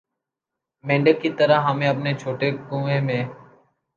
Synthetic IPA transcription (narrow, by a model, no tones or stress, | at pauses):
mẽːɳɖəkːit̪əɾəɦəmẽːəpnet͡ʃʰoːʈeːkũːẽːmẽː